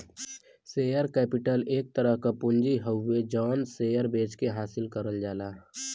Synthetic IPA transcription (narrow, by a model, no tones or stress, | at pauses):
seːjəɾkɛːpɪʈəleːk̚t̪əɾəɦkapʊ̃nd͡ʒiɦəwːed͡ʒɔːnseːjəɾbeːt͡ʃkeɦaːsɪlkəɾəld͡ʒaːlaː